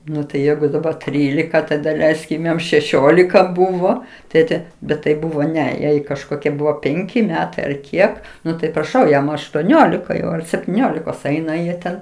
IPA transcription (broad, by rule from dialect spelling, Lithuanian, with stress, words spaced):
ˈnʊ tɐɪ ˈjɛɪɡʊ dɐˈbɐr ˈtʲrʲiːlʲɪkɐ ˈtɐɪ dɐˈlʲɛɪsʲkʲɪm ˈjɛm ʃʲɛˈʃʲoːlʲɪkɐ ˈbʊʋoː ˈtʲeːtʲɛ bʲɛt tɐɪ ˈbʊʋoː ˈnʲɛ ˈjɛɪ kɐʃˈkoːkʲiɛ ˈbʊʋoː ˈpʲɛŋʲkʲɪ ˈmʲæːtɐɪ ɐr ˈkʲiɛk ˈnʊ tɐɪ prɐˈʃɐʊ ˈjɛm ɐʃtuɔˈnʲoːlʲɪkɐ jɛʊ ɐr sʲɛpʲtʲiːˈnʲoːlʲɪkoːs ˈɐɪnɐ jiɛ ˈtʲɛn